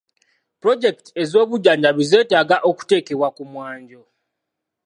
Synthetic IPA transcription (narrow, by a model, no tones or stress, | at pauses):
pɾo̞ɟe̞ktie̞zo̞ːβuɟaːɲɟaβize̞ːtaːɡaʔo̞ku̥te̞ːke̞βwakumwaːɲɟo̞